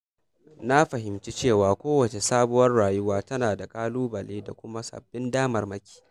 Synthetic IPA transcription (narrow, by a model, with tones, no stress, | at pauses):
na˦ɸɐ˨ɦɪ˨mt͡ʃi˦t͡ʃeː˦˨waː˨kʷoː˦wɐ˨t͡ʃe˨saː˦bʊ˦wɐ˦rɽaː˨jʊ˦waː˦tɐ˦naː˨da˨kʼaː˦luː˦bɐ˨leː˦da̰˨kʷʊ˦ma˦sɐ̰˨bːɪ˦ndaː˦mɐ˨rmɐ˦kʲi̥ː˨